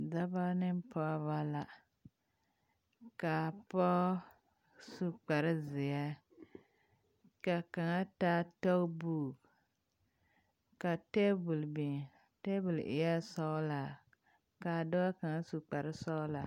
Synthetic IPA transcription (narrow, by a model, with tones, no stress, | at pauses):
da˦ba˦nɪ˦m˦pɔ˦βa˦la˨ | ka˨pɔ˦ | su˦k͡pa˨ɾɪ˦zɪ˨ɛ˦ | ka˨ka˨ŋa˦ta˦tɔ˦kbu˦˨k | ka˨te˦bu˨lbi˨ŋ˨ | te˦bu˨lʔɪ̰˨ja˦sɔ˦la˨ | ka˨dɔ˦a˦ka˨ŋa˦su˨k͡pa˨ɾɪ˦sɔ˦la˨